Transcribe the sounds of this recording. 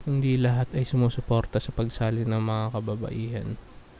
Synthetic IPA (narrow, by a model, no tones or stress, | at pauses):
hʊnd̪iːlɐɦat̪ɐjsʊmoːsʊpo̞ːɾt̪ɐsɐpɐɡsaːlɪnɐŋmɐŋakɐbɐbɐ̰ʔiːhɐn